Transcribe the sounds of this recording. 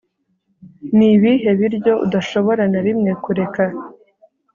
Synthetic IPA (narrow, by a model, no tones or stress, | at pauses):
niβiɦe̞βiɾɟo̞ʔṵdaʃo̞βo̞ɾanaɾimŋe̞kuɾe̞ka